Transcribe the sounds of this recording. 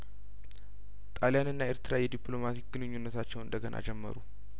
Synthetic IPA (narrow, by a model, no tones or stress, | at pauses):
t̪ʼaljanɨnːaeɾt̪ʰɨɾajɛd̪iplo̞mat̪ʰikɡ̥ɨnɨɲːunːət̪ʰat͡ʃːɛwɨnd̪əɡənʔa̰d͡ʒɛmːə̰ɾu